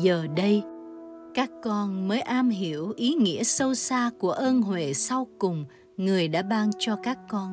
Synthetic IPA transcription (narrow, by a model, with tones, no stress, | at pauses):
zəː˨˩ɗə˧j | kaː˦˥kːɔ˧nməː˨˦jʔaː˧mɦi˧˩˨əwʔi˨˦ŋḭ˧˥əsə˧wsaː˧ku˧˩əʔəː˧nɦwe˨˩sa˧wkʊ˨˩ŋ͡m | ŋɨ˨˩əjɗa̰ː˧˥ɓaː˧ŋt͡ɕɔ˧kaː˦˥kːɔ˧n